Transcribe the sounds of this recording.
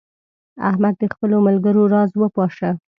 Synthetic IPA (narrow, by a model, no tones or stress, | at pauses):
a̰hmad̪̚d̪əxpəlomalɡəɾoɾɑzwəpɑʃə